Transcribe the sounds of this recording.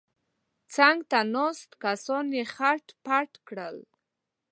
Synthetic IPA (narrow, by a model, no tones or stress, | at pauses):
t͡saŋɡt̪anost̪kasɔnjexaʈpaʈkɽəl